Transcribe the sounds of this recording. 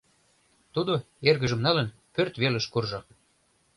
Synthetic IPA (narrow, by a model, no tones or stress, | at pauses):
t̪ud̪o | erɣə̆ʒə̆mnɑlən | pørt̪βelə̆ʃkurʒo